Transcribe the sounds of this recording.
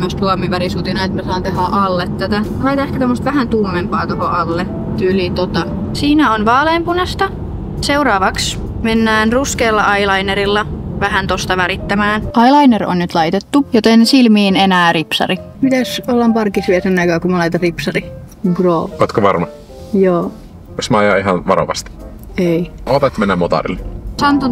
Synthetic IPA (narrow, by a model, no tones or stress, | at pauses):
møst̪suɑmiʋæɾisut̪inɑet̪mæsɑːnt̪ehæʔɑlːet̪ːt̪æt̪æhɑit̪ɑehkæt̪omːost̪ʋæhænt̪uːmːempɑːt̪ohoʔɑlːe | t̪ylit̪ot̪ɑ | siːnæonʋɑːlempunɑst̪ɑ | seuɾɑːʋɑks | menːæːnruskeːlːɑʔɑilɑineɾilːɑʋæɦænt̪ost̪ɑʋæɾit̪ːæmæːnʔɑjlɑinero̰nnyt̪lɑit̪et̪ːujot̪ensilmiːnenæːripsɑ̰ɾi | pit̪æsolːɑmpɑrkisʋiælsenːɑikɑːkumɑlɑit̪ɑripsɑri | ɡroːot̪koʋɑrmɑ | joː | osmɑjɑiɦɑnʋɑɾo̰ʋɑ̰st̪i̥ | eioːt̪ɑt̪menːæmːot̪ɑ̰rḭlːesɑnt̪u